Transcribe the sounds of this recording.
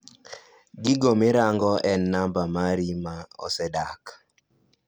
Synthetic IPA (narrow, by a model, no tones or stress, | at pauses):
ɡɪɡomɪɾaŋɡɔʔɛnːambamaɾimaɔ̰sɛdak